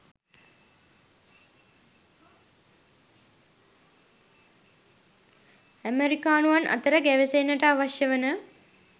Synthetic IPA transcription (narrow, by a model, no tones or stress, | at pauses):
æmeɾikaːnuʋanʔɐ̰t̪əɾəɡæʋesenːəʈəaʋaʃjəʋənə